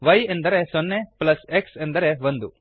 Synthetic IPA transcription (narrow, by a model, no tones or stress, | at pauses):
ʋɐjend̪ɐɾesonːeplɐseksend̪ɐɾeʋond̪u